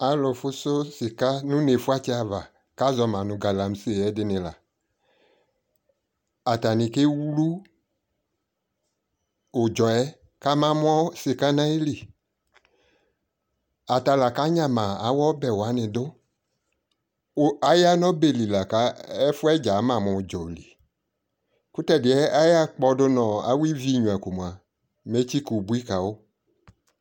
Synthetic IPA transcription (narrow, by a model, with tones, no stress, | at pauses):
a˨lʊ˨fʊ˦sʊ˦sɪ˨ka˦nũ˦ne˨fʊ˦a˦t͡ʃɪ˦a˨va˨ | ka˦zɔ˨mã˨nʊ̃˨ɡa˨la˨m̩˦se˦˨ɛ˦dɪ˦nɪ̃˨la˨ | a˨ta˨nɪ̃˨ke˦wlu˦ | ʊ˨d͡ʒɔ˨ɛ˦ | ka˦mã˦m˦ɔ˦sɪ˨ka˦nã˦i˦li˨ | a˨ta˨la˨ka˦ɲã˨mã˨a˨˦wɔ˦bɛ˨wa˨˦nɪ̃˨dʊ˦ | a˦ja˦nɔ̃˦be˨li˨la˨ka˨˦ɛ˦fʊ˦ɛ˦d͡ʒa˨˦mã˨mʊ̃˨d͡ʒɔ˨li˨ | ku˦tɛ˦dɪ˨˦ɛ˦a˦ja˦k͡pɔ˧dʊ˦nɔ̃˨a̰˨˦wi˦vi˦˨ɲũ˨a˨ko˨mũ˨a˨ | me˦t͡ʃi˦ku˨bu˦i˦ka˨wo˦